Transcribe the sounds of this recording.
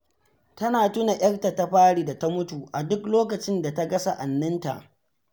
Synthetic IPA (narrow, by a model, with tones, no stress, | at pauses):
tɐ˦naː˨tʊ˦na˨ʔʲɐ˦rta˨ta˦ɸaː˦ɽiː˨da˨ta˦mʊ˦tu˨ʔa˨dʊ˦kloː˦kɐ˨t͡ʃɪ˦nda˨ta˦ɡɐ˦sa˦˨ʔa˨nːɐ˦nta̰˨ʔ